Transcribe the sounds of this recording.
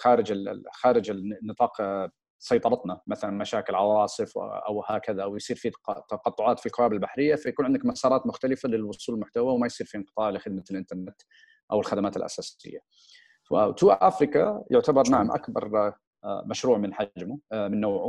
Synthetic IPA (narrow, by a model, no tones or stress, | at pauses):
xaːɾɪd͡ʒɪxaːɾɪd͡ʒɪnːɨt̪ˤɑːq | sˤɑjt̪ˤɑɾˤɑt̪namaθalanmaʃaːkɪlʕɑwɑːsˤɨfʔa̰whaːkaðaʔwjsˤiːɾfit̪ɑqɑt̪ˤːʊʕɑːt̪filqʊwaːbɪlbaħɾɪjːafajakuːnʕɪnd̪akmasɑːɾˤɑːt̪mʊxt̪alɪfalɪlwʊsˤuːlɪlmʊħt̪awawmajsˤiːɾfinqɨt̪ˤɑːʕlɪxɪd̪̚maɪlʔɪnt̪ɑɾˤnɪt̪ | ʔawɪlxad̪amaːt̪ɪ̰lʔa̰saːsɪ̰jːa̰ | fa̰t̪uːʔʔafɾɪkajʊʕt̪abɑɾˤnaʕamʔa̰kbɑ̰ɾˤ | maʃɾuːʕmɪnħad͡ʒmʊmɪnːoːʕʊ